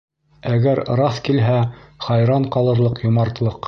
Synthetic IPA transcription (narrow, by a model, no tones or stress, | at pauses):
æɡæɾɾɑθkilɦæχɑjɾɑɴqɑlˠɤ̆ɾlˠɤqjŭmɑɾt̪lˠɤq